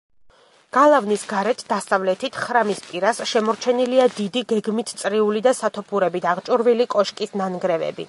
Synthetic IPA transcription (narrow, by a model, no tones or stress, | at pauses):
ɡ̥alˠavnisɡaɾɛt̪ʰd̪̥asavlɛt̪ʰit̪ʰχɾamispʼiɾasʃɛmɔɾt͡ʃʰɛniliad̪id̪iɡɛɡmit̪ʰt̪sʼɾiulid̪asat̪ʰɔpʰuɾɛbit̪ʰaʁt͡ʃʼuɾvilikʼɔʃkʼisnanɡɾɛvɛ̰bḭ